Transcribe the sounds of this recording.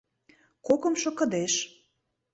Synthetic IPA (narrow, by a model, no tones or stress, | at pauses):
kokə̆mʃŏkɤ̆d̪eʃ